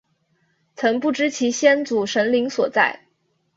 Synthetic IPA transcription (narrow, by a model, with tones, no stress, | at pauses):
t͡sʰɤ˧˥ŋpu˥˩ʈ͡ʂɻ̩˥t͡ɕʰi˧˥ɕjɛ˥nt͡su˨˩ʂə˧˥ŋli˧˥ŋswɔ˨˩t͡sa̰˥˩ɪ